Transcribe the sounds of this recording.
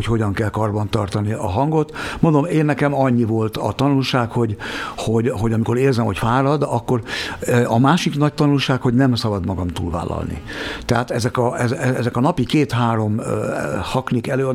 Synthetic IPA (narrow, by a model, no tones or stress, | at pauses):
ocho̞ɟɒŋkɛlkɒrbɒnt̪ɒrt̪ɒniɒ̰ɦɒŋɡo̞t̪mond̪omeːnːɛkɛmɒɲːivo̞lt̪ɒ̰t̪ɒnulʃaːkho̞ɟho̞ɟɦo̞ɟɒmiko̞ɾeːrzɛmho̞cfaːɾɒd̪ɒkːo̞rɒmaːʃiknɒc̚t̪ɒnulʃaːkho̞ɟnɛmsɒbɒd̪mɒɡɒmt̪ṵːlva̰ːlːɒ̰lnḭt̪ɛɦaːt̪ɛzɛkɒɛzɛzɛkɒnɒpikeːt̪haːɾo̞m | hɒknikɛløːɒd̪